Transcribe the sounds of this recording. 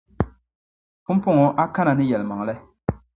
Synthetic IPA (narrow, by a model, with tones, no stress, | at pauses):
pu˦m˦pʊ˦ŋɔ˨ʔa˦ka˦na˨nɨ˦jɛ˨lma˨ŋ˨lɛ˦